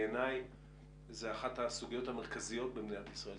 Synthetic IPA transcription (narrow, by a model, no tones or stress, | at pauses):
enaj | zeaχathasuɡijo̞thameʁ̞kazijo̞t̚bebneatisʁae